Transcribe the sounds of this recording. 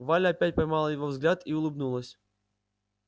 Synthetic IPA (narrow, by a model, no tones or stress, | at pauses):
valʲɐapʲæt̚ʲpɐjmɑlˠəjɪvovzɡlʲat̪iʊlˠɨbnulˠəsʲ